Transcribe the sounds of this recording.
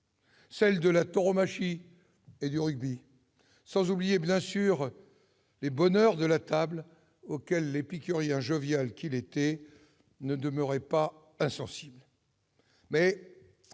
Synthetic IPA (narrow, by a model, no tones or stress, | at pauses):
sɛld̪əlat̪ɔʁɔmaʃi | ed̪yʁyɡ̚bi | sɑ̃zublijebjɛ̃syʁ | lebɔnœʁd̪əlat̪abl | okʲɛlːepikʲyʁjɛ̃ʒɔvjalkʲilet̪ɛ | nəd̪əmœʁɛpa | ɛ̃sɑ̃sibl | mɛ